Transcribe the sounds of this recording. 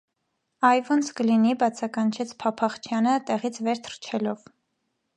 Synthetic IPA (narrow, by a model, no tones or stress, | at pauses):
ɑjvunskəlinibɑt͡sʰɑkɑnt͡ʃʰɛt͡sʰpʰɑpʰɑχt͡ʃʰjɑnət̪ɛʁit͡sʰvɛɾt̪ʰəɾt͡ʃʰɛlɔv